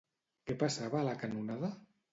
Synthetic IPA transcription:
kepasaβaːlakanunaða

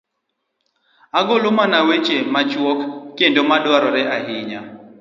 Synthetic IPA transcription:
aɡolomanawet͡ʃemat͡ʃwɔkːendomaɗwaɾɔɾɛaɦɪɲa

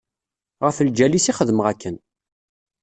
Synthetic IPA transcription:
ʁəfld͡ʒælisiχəðmʁækːən

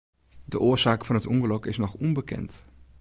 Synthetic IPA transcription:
dəʔoːzaːkfɔnɦətɔŋəlɔkɪsnɔxɔmbəkɛ̰nt

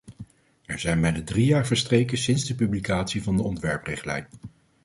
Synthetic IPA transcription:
ɛɹzɛjnmɛjdədrijaːɹvəɹstrejkəsɪnzdəpyblikaːtsivɑndəɔntʋɛɹprɪχtlɛ̰jn

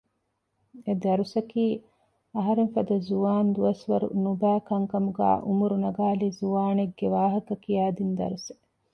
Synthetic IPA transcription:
ed̪ɐɾusɐkiː | ɐɦɐɾeŋfɐd̪ɐzuʋaːnd̪uɐsʋɐɾṵnubæːkɐŋkɐmuɡæ̰ːʔumuɾunɐɡaːlizuʋaːneɡːeʋaːɦɐkɐkijaːd̪ind̪ɐ̰ɾuse̥

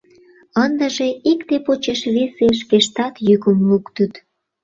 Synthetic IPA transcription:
ənd̪əʒeikt̪epot͡ɕeʃβeseʃ̬keʃt̪ɑt̪jykəmlukt̪ət̪

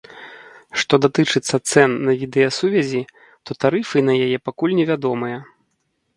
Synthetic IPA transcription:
ʂt̪ɔd̪at̪ɨt͡ʂɨt̪sːɐt̪sɛnːɐvʲid̪ɛjɐsuvʲɐzʲi | t̪ɔt̪aɾɨfɨnɐjajɛpakulʲnʲɛvʲad̪ɔmɨjɐ

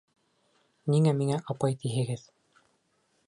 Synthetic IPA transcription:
niŋæmiŋæʔɑpɑjt̪iɦɘ̆ɡɘð

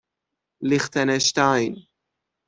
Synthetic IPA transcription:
lɪχtɛnɛʃtaɪn

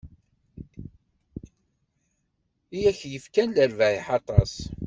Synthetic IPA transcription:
ijæçjəfkænləɾvæʕiħɑt̪ˤɑsˤ

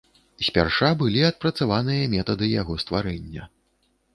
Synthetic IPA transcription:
sʲpʲa̰rʂabɨlʲiɐt̪̚pɾɐt̪savanɨjɐmʲɛt̪ɐd̪ɨjaɣɔst̪vaɾɛnʲːɐ

